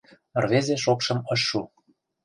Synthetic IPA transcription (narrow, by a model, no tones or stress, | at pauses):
ə̆rβezeʃokʃɤ̆mɤ̆ʃːu